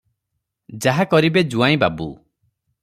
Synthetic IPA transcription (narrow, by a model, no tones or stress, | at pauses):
d͡ʒaɦakɔɾibed͡ʒuaĩbabṵ